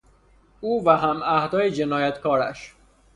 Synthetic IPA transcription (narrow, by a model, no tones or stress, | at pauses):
ʔuːvæɦæmæhd̪ɒːjed͡ʒenɒːjæt̪kʰɒːɾæ̰ʃ